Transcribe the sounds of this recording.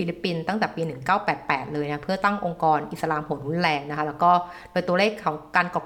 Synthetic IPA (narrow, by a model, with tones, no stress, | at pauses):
iː˧li˦˥pːi˧nt̪a˥˩ŋt̪ɛː˨˩piː˧nɯ˨˩ŋkaː˥˩wpɛː˨˩t̪̚pɛː˨˩t̪̚lɤː˧jna˦˥pʰɯ˥˩ɐt̪a˥˩ŋʔo˧ŋkɔː˧nʔi˨˩sa˧laː˧mho˨˩˦nɾu˦˥nlɛː˧ŋna˥kʰa˦˥lɛː˦˥wkɔː˥˩ | doː˧jt̪u˧ɐleː˥˩kʰːɔ˩˦ŋkaː˧nkɔː˨˩